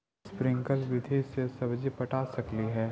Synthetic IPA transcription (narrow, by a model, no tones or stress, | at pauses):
spɾɪ̃ŋkəlʋɪd̪ʱisesɐbd͡ʒipɐʈaːsɐkliɦɛː